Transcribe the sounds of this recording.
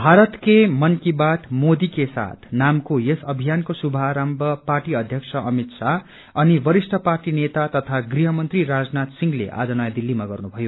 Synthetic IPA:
bʱaɾʌt̪kemʌnkibat̪mod̪ikesa̰t̪ʰnamkojesʌbʱijankosubʱaɾambʌparʈiʌd̪ʱjʌksʰʌʔʌmit̪sa | ʌnibʌɾisʈʰʌparʈinet̪at̪ʌt̪ʰaɡriɦʌmʌnt̪riɾad͡znat̪siŋɡlḛʔa̰d͡zʌnʌjad̪ilːimaɡʌrnubʱʌjo

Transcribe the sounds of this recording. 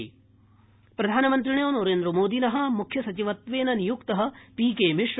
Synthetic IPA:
pɾɐd̪ʱaːnɐmɐnt̪̬ɾiɳjoːnoɾeːnd̪ɾɐmoːd̪inɐɦɐ̆mukʰjɐsɐt͡ʃiʋɐt̪ʋeːnɐnijukt̪ɐɦɐ̆piːkeːmiʂ

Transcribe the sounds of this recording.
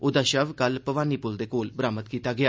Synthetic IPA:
ʊd̪aːʃəʋkəlpəʋaːniːpʊld̪eːkoːlbɾaːmət̪kiːt̪aːɡɪjaː

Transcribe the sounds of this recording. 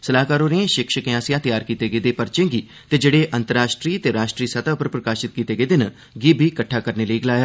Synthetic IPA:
səlaːkaːɾoːɾiẽʃɪkʃəkãːsɪjãːt̪jaːɾkiːt̪eːɡeːd̪epəɾt͡ʃɪ̃ŋɡiː | t̪eːd͡ʒeːɽeːʔə̃nt̪əɾaːʃʈɾiːt̪eːɾaːʃʈɾiːsət̪aːʊpəɾpɾəkaːʃɪt̪̚kiːt̪eːɡeːd̪ɪn | ɡibʱiːkəʈʰːaːkəɾneːləiɡəlaːjaː

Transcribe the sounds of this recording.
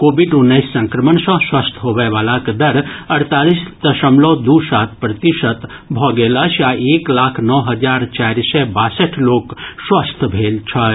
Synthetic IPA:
kobiɖunːəɪsːə̃ŋkɾəmənsə̃swast̪ʰɦobɛʋalakd̪əɾəɾt̪alist̪əsəmlɔd̪usat̪ʰpɾət̪iʃət̪ | bʱɔɡeləsaeklaːkʰnɔɦəd͡ʒaɾt͡ʃaɾisɛbasəʈʰlokswast̪ʰbʱelt͡ʃʰə

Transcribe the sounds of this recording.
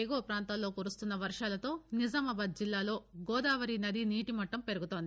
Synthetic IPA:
eːɡoːpɾaːnt̪aːlo̞ːkuːɾust̪unːɐʋɐɾʂaːlɐt̪o̞ːnizɐmɐbɐd̪̚d͡ʒilːaːlo̞ːɡɔːd̪aːʋɐɾinɐd̪iniːʈimɐʈːɐmpe̞ɾuɡut̪ond̪i

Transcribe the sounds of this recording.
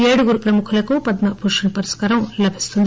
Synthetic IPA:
eːɽuɡuɾupɾɐmukʰɐlɐkupɐd̪napʰuʂɐnɐpɐɾiskaːɾɐmlɐbʱist̪und̪

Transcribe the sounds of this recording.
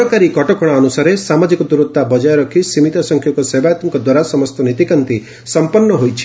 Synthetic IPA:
ɔkaɾikɔʈɔkɔɽ̃aːnusaɾesamad͡ʒikɔd̪uɾut̪ːabɔd͡ʒajeɾɔkʰisimit̪ɔsɔŋkʰjɔkɔsebajat̪mkɔd̪waɾasɔmɔst̪ɔnit̪ikant̪i | sɔmpɔnːɔɦojt͡ʃʰi̥

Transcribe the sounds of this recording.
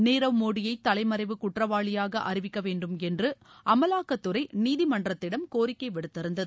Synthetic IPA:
neːɾɐʋmoːɽɪjɐɪt̪ːɐlɐɪmɐɾɐɪʋɯkʊʈrɐʋaːɭɪjaːɣɐʔɐrɪʋɪkːɐʋeːɳɖɯmɛndrɯ | ʔɐmɐlaːkɐt̪ːɯɾɐɪniːðimɐɳɖrɐt̪ːɪɽɐmkoːɾɪkːɐɪʋɛɽɯt̪ːɐɾɯnd̪ɐðɯɯ

